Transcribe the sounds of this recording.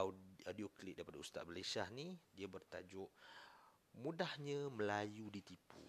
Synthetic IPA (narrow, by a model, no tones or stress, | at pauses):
adioklit̪̚daipadaust̪a̰t̪̚məlajsiahnidiabərt̪a̰d͡ʒʊʔ | mũdahɲə̃məlajudit̪ipṵ